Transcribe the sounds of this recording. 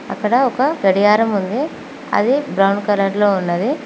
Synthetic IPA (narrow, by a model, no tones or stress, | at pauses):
ɐ̰kːɐɽɐɔkɐɡɐɽijaːɾɐmund̪i | ɐ̰d̪ibɾɐwɳkɐlaːʈloːunːɐd̪i